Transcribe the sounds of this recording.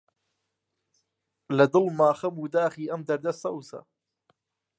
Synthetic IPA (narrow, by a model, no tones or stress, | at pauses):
lad̪ʊlmaːxamud̪aːxiːʔamd̪ɑɾd̪asawsa̰